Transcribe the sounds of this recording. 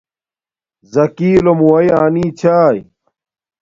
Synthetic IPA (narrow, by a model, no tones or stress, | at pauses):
zɐkiːlomuwɐjaːniːt͡ɕʰaːj